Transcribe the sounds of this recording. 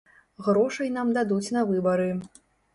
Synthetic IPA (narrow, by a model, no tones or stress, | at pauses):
ɣɾɔʂɐjnamd̪ad̪ut͡sʲnɐvɨbɐɾɨ